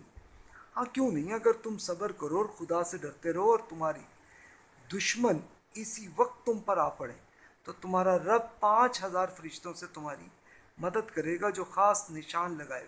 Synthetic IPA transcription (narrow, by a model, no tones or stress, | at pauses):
ɦãːkjũːnɐɦĩɐɡəɾt̪ʊmsɐbəɾkɐɾoɔɾxʊd̪aseɖɐɾt̪eɾɐɦoɔːɾt̪ʊmaːɾḭ | d̪ʊʃmən | ɪsiʋɐq̚t̪ːʊmpɐɾaːpɐɽḛː | t̪ot̪ʊmaːɾaɾɐb̚pãːt͡ʃɦɐzaːɾfɐɾɪʃt̪õset̪ʊmaːɾḭ | mɐd̪əd̪kɐɾeːɡad͡ʒoːxaːsnɪʃaːnlɐɡaːḛɡ